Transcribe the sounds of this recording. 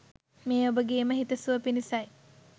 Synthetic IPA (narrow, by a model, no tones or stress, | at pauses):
meːobəɡeːməɦit̪əsuʋəpinisaj